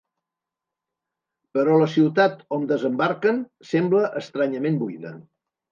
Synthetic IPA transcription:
pəɾɔləsiwt̪at̪ond̪əzəmbaɾkən | sɛmbləʔəst̪ɾaɲəmembuiðə

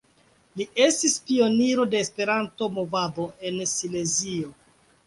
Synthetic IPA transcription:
liʔe̞stispio̞niɾo̞de̞ːspe̞ɾanto̞mo̞vabo̞ʔe̞nsile̞zio̞

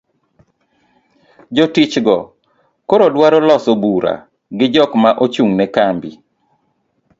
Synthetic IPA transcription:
d͡ʒotit͡ʃɡɔ | koɾodwaɾɔlɔsobuɾa̰ | ɡɪd͡ʒɔkmaʔot͡ʃuŋnɛkambḭ

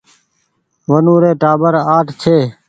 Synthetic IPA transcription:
ʋənũːɾeːʈaːbəɾaːʈʰt͡ʃʰeː

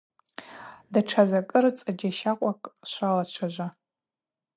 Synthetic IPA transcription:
daʈ͡ʂʰazakʼɨrt͡sʼad͡ʒaʃaqʷʼakʼʃʷalat͡ʃʷʰaʒʷa

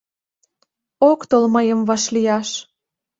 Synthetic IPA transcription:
okt̪olməjəmvɑʃlijɑʃ

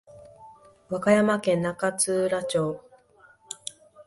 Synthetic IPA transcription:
βakajamakẽ̞nːakat͡sɨːɾat͡ɕo̞ː

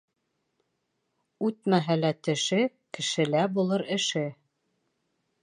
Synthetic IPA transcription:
ʉt̪mæɦælæt̪ɘ̆ʃɘ | kɘ̆ʃɘ̆læbulˠɤɾɘ̆ʃɘ

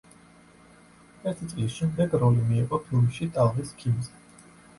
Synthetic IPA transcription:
ɛɾt̪ʰit̪sʼilisʃɛmd̪ɛɡɾɔlimiːqʼɔt̪ʰuɾiʃit̪ʼalˠviskʰimzɛ

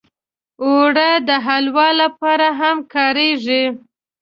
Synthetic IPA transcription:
oɽəd̪əɦalwɑlːapɑɾaɦamkɑɾeʐi

